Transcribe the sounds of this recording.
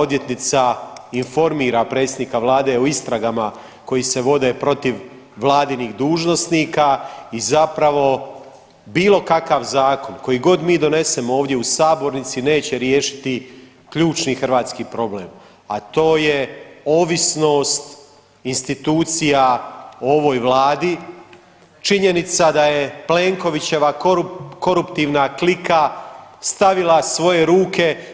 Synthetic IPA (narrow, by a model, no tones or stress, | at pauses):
o̞d̪je̞t̪nit̪sainfo̞ɾmiːɾapɾe̞ːt̪sʲed̪nikaʋlˠaːd̪e̞oist̪ɾaɡama | ko̞jise̞ʋo̞d̪e̞pɾo̞t̪iʋː | lˠaːd̪iniːɣd̪uːʒno̞st̪niːkaizapɾaʋo̞ | biːlˠo̞kakaʋzaːko̞nko̞jiɡo̞d̪miːd̪o̞ne̞semoo̞ːʋd̪je̞usaːbo̞ɾnit̪sine̞ːt͡ɕe̞ɾje̞ːʃi̥t̪i | kʎuːt͡ʃnixr̩ʋaːt̪skipɾo̞ble̞̰ːm | a̰t̪o̞ːjeo̞ːʋisno̞ːst̪ | inst̪it̪uːt̪sijaoo̞ʋo̞ːjʋlaːd̪i | t͡ʃiɲe̞nit̪sad̪aje̞ple̞ŋko̞ʋit͡ɕe̞ʋakouko̞ɾupt̪iːʋnaklikast̪aʋilasʋo̞je̞ɾuːke̞